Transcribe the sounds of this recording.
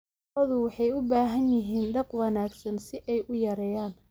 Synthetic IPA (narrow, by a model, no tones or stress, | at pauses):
ɔðʊwɑħɑjʊbaːɦɐnjɪɦiːnɖɐqwɑnaːɡsɐnsɪʔɛjʔʊjɐɾɛːjaːn